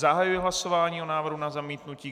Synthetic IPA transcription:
zaɦajujɛɦlaso̞vaːɲiːonaːvr̩ɦunazamiːt̪nuciː

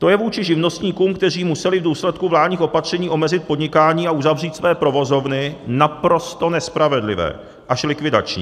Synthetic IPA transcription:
t̪o̞jɛvuːt͡ʃɪʒɪvno̞st̪ɲiːkuːmk̚t̪ɛr̝iːmusɛlɪvduːslɛt̪kuvlaːdɲiːxopat̪r̝̥ɛɲiːʔo̞mɛzɪt̪̚po̞dɲɪkaːɲiːauzavr̝iːt̪svɛːpɾo̞vo̞zo̞vnɪnapɾo̞st̪o̞nɛspɾavɛdlɪvɛ̰ː | ʔaʃlɪkvɪda̰t͡ʃɲḭ

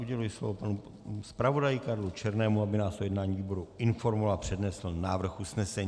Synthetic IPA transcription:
uɟɛlujɪslovopanu | spɾavo̞dajɪkaɾlut͡ʃɛɾnɛːmuabɪnaːsojɛdnaːɲiviːbo̞ɾuʔɪnfo̞ɾmovaapr̝̥ɛdnɛsl̩naːvr̩xʔusnɛsɛɲ

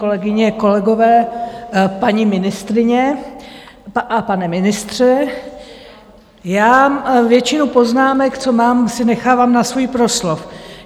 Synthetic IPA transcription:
olɛɡɪɲɛko̞lɛɡo̞vɛː | paɲimɪnɪst̪ɾɪɲɛ | ʔapanɛmɪnɪst̪r̝̥ɛ | jaːvjɛt͡ʃɪnupo̞znaːmɛkt͡so̞maːmsɪnɛxaːvaːmnasvujpɾo̞slof

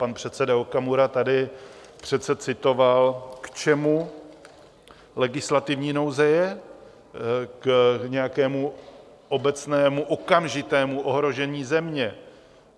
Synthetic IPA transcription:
panpr̝̥ɛt̪sɛdaokamuɾat̪adɪ | pr̥ɛt̪sɛt͡sɪt̪o̞valkt͡ʃɛmu | lɛɡɪslat̪ɪvɲiːno̞wzɛjɛ | kɲɛjakɛːmu | ʔo̞bɛt͡snɛːmuʔo̞kamʒɪt̪ɛːmuʔo̞ɦɾo̞ʒɛɲiːzɛmɲɛ

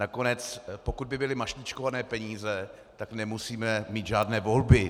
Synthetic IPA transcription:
nako̞nɛt͡spo̞kud̪̚bɪbɪlɪmaʃɲɪt͡ʃkovanɛːpɛɲiːzɛ | t̪aknɛmusiːmɛmiːt̪ʒaːdnɛːvo̞lbɪ

